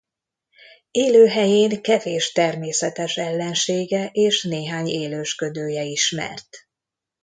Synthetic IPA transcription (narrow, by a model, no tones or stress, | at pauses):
eːløːɦɛjeːŋkɛveːʃt̪ɛrmeːsɛt̪ɛʃɛlːɛnʃeːɡɛʔeːʃneːɦaːɲeːløːʃkød̪øːjɛiʃmɛ̰rt̪